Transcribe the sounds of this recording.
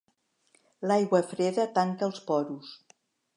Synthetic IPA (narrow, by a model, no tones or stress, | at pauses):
lajɣwəfɾeðət̪aŋkəlˠspɔɾus